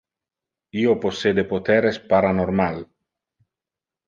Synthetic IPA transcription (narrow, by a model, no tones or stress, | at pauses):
ioposːed̪epot̪ɛɾespaɾanoɾmal